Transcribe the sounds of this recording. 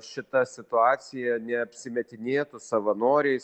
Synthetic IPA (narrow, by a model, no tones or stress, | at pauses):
ʃʲɪt̪ɐsʲɪt̪ʊɑːt̪sʲɪjɛnʲɛɐpʲsʲɪmʲɛt̪ʲɪnʲeːt̪ʊsɐʋɐnoːɾʲɛɪs